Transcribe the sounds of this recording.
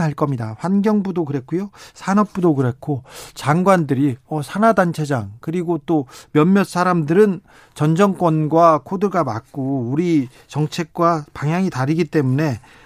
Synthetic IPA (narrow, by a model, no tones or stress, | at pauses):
ɦaɭk͈ʌmɲidaɸwanɡjʌŋbudokɯɾe̞kʰujosʰanʌp̚p͈udokɯɾe̞kʰot͡ɕaŋɡwandɯɾiʌsʰanadant͡ɕʰe̞d͡ʑaŋkɯɾiɡot͈omjʌmːjʌt̚s͈ʰaɾamdɯɾɯn | t͡ɕʌnd͡ʑʌŋk͈wʌnɡwakʰodɯɭɡamak͈̚oːɾi | t͡ɕʌŋt͡ɕʰe̞k̚k͈wapaŋɦjaŋitaɾiɡit͈e̞mune̞